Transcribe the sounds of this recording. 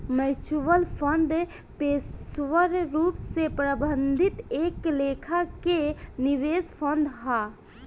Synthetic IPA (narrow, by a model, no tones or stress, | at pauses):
mɛt͡ʃuʋəlpʰənd̪ | pesʋəɾɾupsepɾəbənd̪ʱit̪eklekʰakeniʋespʰənd̪ɦa